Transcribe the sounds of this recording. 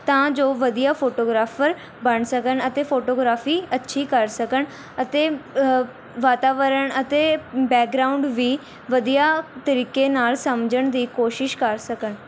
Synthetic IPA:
t̪ãːd͡ʒoːʋəd̪ijaːpʰoːʈoːɡɾaːfʰəɾ | bəɳsəkənət̪eːpʰoːʈoːɡɾaːfiːətːʃʰiːkəɾsəkəɳ | ət̪eː | ʋaːt̪aːʋəɾəɳət̪eːbɛːk̚ɡɾaːʊɳɖʋiː | ʋəd̪ijaːt̪əɾiːkeːnaːlsəmd͡ʒəɳd̪iːkoːʃɪʃkəɾsəkəɳ

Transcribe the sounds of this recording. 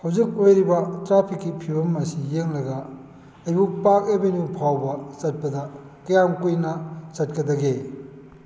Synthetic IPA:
hɐwzik̚ojɾibɐtɾapʰikːipʰibɐmːɐsijeŋlɐɡɐ | ɐjbupak̚ebenjupʰawbɐt͡ʃɐt̚pɐdɐ | kɐjamkujnɐsɐt̚kɐdɐɡe

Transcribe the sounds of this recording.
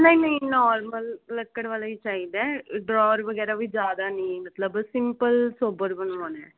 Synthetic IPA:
nɐ̃ĩnɐ̃ĩnɔːɾməlːəkːəɽʋaːlait͡ʃaːɦid̪ɛːɖɾɔːɾʋəɡɛːɾaʋid͡ʒjaːd̪anĩmɐt̪ləbsɪmpəlsoːbəɾbənuoːnɛ̃ː

